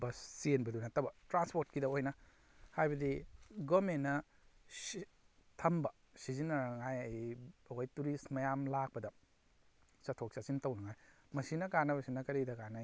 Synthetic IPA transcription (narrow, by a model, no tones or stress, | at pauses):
bɐsienbɐdunɐtɐbɐtɾanspoɾt̚kidɐojnɐ | hajbɐdiɡomenːɐ | tʰɐmbɐ | sizinɐnŋajaɐkʰojtuɾistmɐjamlak̚pɐdɐ | sɐtʰok̚sasintɐwnɐŋajmɐsinɐkanɐbɐsinɐkɐɾidɐkana